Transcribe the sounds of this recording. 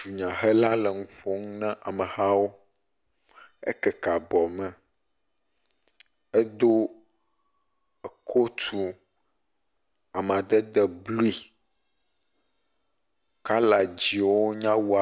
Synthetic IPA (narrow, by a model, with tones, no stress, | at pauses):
u˨ɲã˨ɦɛ˦la˦lɛ˨ŋũ˦ɸo˦ŋ˦nɛ̃˦ʔa˨mə̃˨ha˦wo˦ | ɛ̰˦kɛ˨ka˨bɔ˨mɛ̃˨ | ɛ˦d̪o˦ | ɛ˨kʰo˦t̪ʰu˨ | a˨m˨a˨d̪ɛ˦d̪ɛ˨blu˦i˨ | ka˦la˨d͡ʑi˨wo˦ɲã˦wu˦a˨